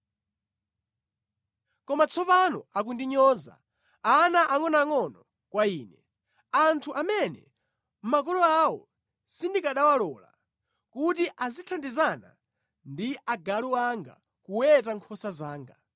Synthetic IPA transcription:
kɔmat͡sʰɔpanɔakundiɲɔːza̰ | anaʔaŋɔnaŋɔnɔ | kwaiːnɛ | antʰuʔamɛnɛ̰ | m̩mak̬ɔlɔawɔ | sindikaɗawalɔːla̰ | kutiʔazitʰandizana̰ | ndiʔaɡaluaŋɡa̰ | kuwɛtaŋkʰɔsazaːŋɡa

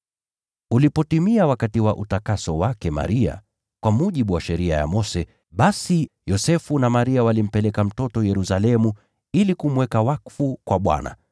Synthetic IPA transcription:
ulipɔtimiawakatiwaʔutakasɔwakɛma̰ɾia̰ | kwamuʄiɓuwaʃɛɾia̰ja̰mɔsɛ | ɓasijɔsɛfunamaɾiawalim̩pɛlɛkam̩tɔtɔjɛɾusalɛmu | ilikum̩wɛkawakfukwaɓwa̰na̰

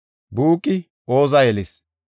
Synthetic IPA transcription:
buːkʼːɪ | oːzɐjɛlɪs

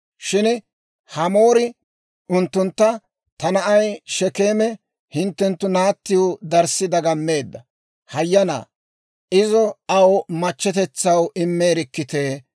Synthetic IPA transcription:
ʃɪn | hɐmo̞ːɾɪ | ʊnt̪ːʊnt̪ːɐ | t̪ɐnɐʔɐjʃɛke̞ːmɛ | hɪnt̪ːɛnt̪ːʊnaːt̪ːɪjʊd̪ɐɾsːɪd̪ɐɡɐmːe̞ːd̪ːɐ | hɐjːɐna̰ː | ɪzɔɐwmɐt͡ʃːɛt̪ɛt͡sːɐwʔɪmːeːɾɪkːɪt̪eː

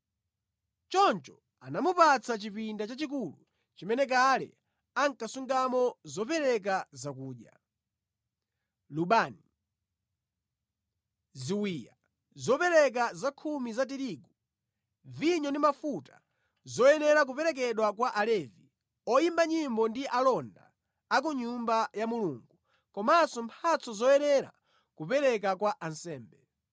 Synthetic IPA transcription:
t͡ʃɔnt͡ʃɔ | anamupat͡sʰat͡ʃipindat͡ʃat͡ʃik̬ulṵ | t͡ʃimɛnɛk̬alɛ̰ | aŋkasuŋɡamɔzɔpɛɾɛk̬azak̬uːʄja̰ | luɓaːni | ziwija̰ | zɔpɛɾɛk̬azakʰumizat̬iɾiɡu | viɲɔndimafutḁ | zɔjɛnɛɾak̬upɛɾɛk̬ɛɗwakwaʔalɛvi | ɔjimbaɲimbɔndiʔalɔnda̰ː | k̬uɲumbajamuluŋɡu | kɔmasɔmpʰat͡sɔzɔjɛnɛɾa̰ | kupɛɾɛk̬akwaʔansɛːmbɛ

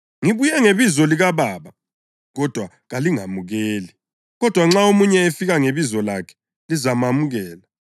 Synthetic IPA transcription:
ŋiβujɛŋeβizɔliɣaβaːβa | ɣɔd̥ʱwa | ɣaliŋamuɣeːli | ɣɔd̥ʱwaŋ͡ǁaomuɲɛefiɣaŋeβizɔlakʰɛ̥ | lizamamuɣɛːla

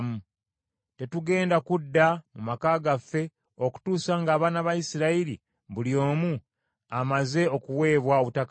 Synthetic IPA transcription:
mu | te̞tuɡe̞ːndakudːamumakaːɡafːe̞ | o̞ku̥tuːsaŋɡaːβaːnaβajisiɾailḭ | buljo̞ːmu | amaze̞o̞kuwe̞ːβwao̞βutaka

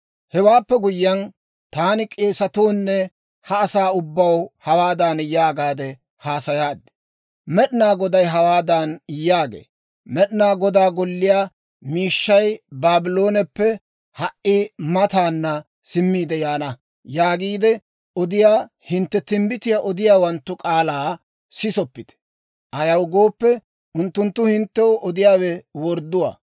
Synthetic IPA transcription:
hɛwaːpːɛɡʊjːɐn | t̪aːnɪkʼe̞ːsɐt̪oːnːɛ | hɐːsaːʊbːɐwhɐwaːd̪anjaːɡaːd̪ɛ | haːsɐjaːd̪ːɛ̥ | mɛɗɪnaːɡɔd̪ɐjɦɐwaːd̪ɐnjːaːɡḛː | mɛɗɪnaːɡɔd̪aːɡɔlːɪjaː | miːʃːɐjbaːbɪlo̞ːnɛpːɛ | hɐʔʔɪmɐt̪aːnːɐ | sɪmːiːd̪ɛjaːnɐ | jaːɡiːd̪ɛ | ɔd̪ɪjaː | hɪnt̪ːɛt̪ɪmbɪt̪ɪjaʔɔd̪ɪjaːwɐnt̪ːʊkʼaːlaː | sɪsɔpːɪt̪ɛ̥ | ʔɐjɐwɡo̞ːpːɛ | ʔʊnt̪ːʊnt̪ːʊhɪnt̪ːɛɔʔɔd̪ɪjaːwɛwɔɾd̪ʊwa̰ː

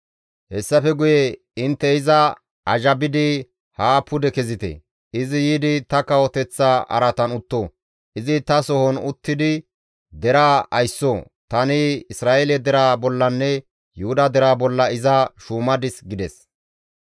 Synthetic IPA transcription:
hɛsːɐfɛɡʊjɛ | ɪnt̪ːɛɪzɐ | ɐʒɐbɪd̪ɪ | haːpːʊd̪ɛkɛzɪt̪ɛ̰ | ɪzɪjiːd̪ɪt̪ɐkɐwɔt̪ɛt͡sːaʔɐ̰ɾɐt̪ɐnʊt̪ːoː | ʔɪzɪt̪ɐsɔhɔnʊt̪ːɪd̪ɪ | d̪ɛɾaːɐjsːoː | t̪ɐnɪɪsɾaːʔelɛd̪ɛɾaːbɔlːɐnːɛ | jʊhʊd̪ɐd̪ɛɾaːbɔlːɐɪzɐʃuːmɐd̪ɪsɡɪd̪ɛs

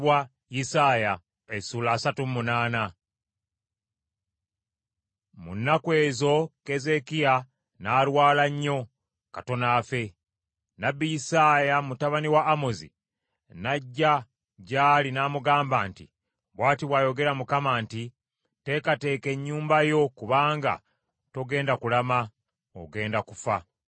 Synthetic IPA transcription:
wa | jisaːja | esuːlaːsatumunaːna | mṵnːakwe̞ːzo̞ke̞ze̞kia | naːɾwaːlaɲːo̞ | kato̞naːfe̞ | nabːijisaːjamutaβaniwaːmozḭ | naɟːa | ɟaːlinaːmuɡaːmbaːntḭ | βwaːtiβwaːjo̞ɡe̞ɾamukamaːnti | te̞kate̞ːke̞ɲːuːmbajo̞kuβaːŋɡa̰ | to̞ɡe̞ːndakulama | o̰ɡe̞ːndakufa

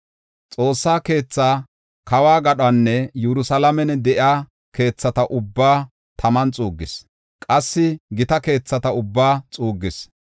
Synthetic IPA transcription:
t͡sʼo̞ːsːaːke̞ːt͡sːaː | kɐwaːɡɐɗanːɛjɛɾʊsɐlɐmɛnɛd̪ɛʔɪaː | ke̞ːt͡sːɐt̪ɐʔʊbːaː | t̪ʰɐmɐnt͡sʼuːɡːɪs | kʼɐsːɪɡɪt̪ɐke̞ːt͡sːɐt̪ɐʊbːaːt͡sʼuːɡːɪs

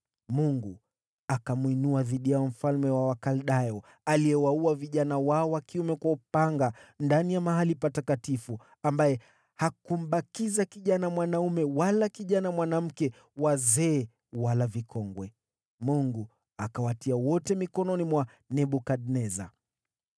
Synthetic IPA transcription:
muŋɡu | akamwinuaðiɗijaɔm̩falmɛwawakalɗajɔ | alijɛwauaviʄanawaɔwakiumɛkwaupaŋɡandanijamaɦalipatakatifu | ambajɛ | hakum̩ɓakizakiʄanamwanaumɛwalakiʄanamwanam̩kɛ | wazɛː | walavikʰɔŋɡwɛ | muŋɡu | akawatiawɔtɛmikɔnɔnimwa | nɛɓukaɗnɛza̰

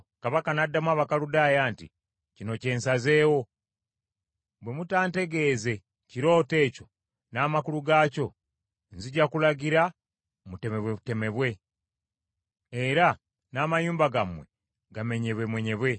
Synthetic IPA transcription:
kaβakanadːamwaːβakaludajaːntḭ | cino̞ce̞ːnsaze̞ːwo̞ | bwe̞mutaːnte̞ɡe̞ːze̞ | ciɾo̞ːte̞ːco̞ | namakuluɡaːco̞ | nziɟakulaɡiɾa | mute̞me̞βwe̞βute̞me̞βwe̞ | ɾa | namaɲuːmbaɡamwe̞̰ | ɡame̞ɲeβwemwe̞ɲe̞βwe̞

